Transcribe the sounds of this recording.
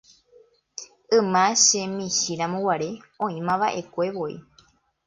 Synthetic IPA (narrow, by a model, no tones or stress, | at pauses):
ɨ̃mãʃẽmĩʃiɾamõwaɾe̞ | õĩmãʋaʔe̞kʷe̞ʋo̞ḭ